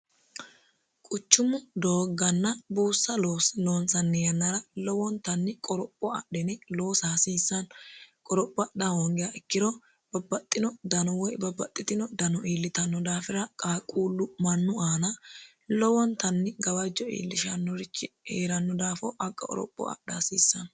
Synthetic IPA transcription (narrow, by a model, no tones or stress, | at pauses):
kʼʊt͡ʃːʊmʊd̪oːɡɐnːɐbuːsːɐloːsloːnsɐnːɛjɐnːɐɾɐlɔwɔnt̪ɐnːɪkʼɔɾɔpʼːɔɐ̰ɗɛnɛlo̞ːsaːsiːsːɐnkʼɔɾɔpʼːɐdɐhɔŋɡɪjɐʔɛkːɪɾɔ | b̥ɐbːɐt̪ʼːɪnɔd̪ɐnɔwɔjbɐbːɐt̪ʼːɪt̪ɪnɔd̪ɐnɔʔiːlːɪt̪ɐnːɔd̪aːfɪɾɐkʼaːkʼuːlːʊmɐnːʊaːnɐ | lɔwɔnt̪ɐnːɪɡɐbɐd͡ʒːɔḭːlːɪʃɐnːɔɾɪt͡ʃːɪheːɾɐnːɔd̪aːfɔʔɐkʼːɐ̰ɔ̰ɾɔ̰pʼːɔ̰ɐ̰ɗaːsiːsːɐn